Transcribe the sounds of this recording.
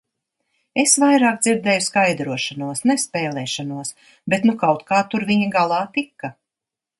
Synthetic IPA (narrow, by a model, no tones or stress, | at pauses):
esvajɾaːk̚d̪ziɾd̪ɛːjuskajd̪ɾuɔʃanuɔsnɛspɛːlˠɛːʃanuɔs | bet̪nukawt̪kaːt̪uɾviɲiɡalˠɑːt̪ikːɐ